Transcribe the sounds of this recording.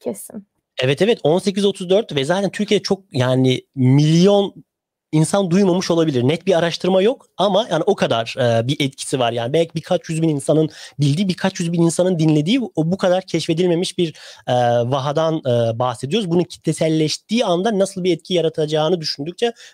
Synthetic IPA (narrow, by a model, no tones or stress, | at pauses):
cʰesin | ɛvɛt̪ʰɛvɛt̪ʰo̞nsec̬ʰizo̞t̪ʰuzd̪øɾt̪vɛzaːt̪ʰænt̪ʰyɾcʰije̞d̪ɛt͡ʃʰo̞k̚jaːnimilʲijo̞n | insand̪ujmamɯʃo̞lˠabilʲiɾnɛt̪̚biaɾaʃt̪ʰɯɾmajo̞k | amahaniʔo̞kʰad̪aɾ̥ɯbiʔɛt̪̚cʰi̥sivaɾjaːnibɛlʲcʰibikʰat͡ʃjyzbininsanɯnbilʲd̪iːbiɾkʰat͡ʃjyzbininsanɯnd̪inlʲe̞d̪iːobukʰad̪aɾcʰɛʃfe̞d̪ilʲme̞miʃbiɾɛːvaɦad̪anɯːbahsed̪ijoɾuzbununcʰi̥t̪ʰːɛsælʲːɛʃt̪iːand̪anːasɯlˠbiɛt̪̚cʰijaɾat̪ʰad͡ʒaːnɯd̪yʃynd̪yc̚t͡ʃʰɛ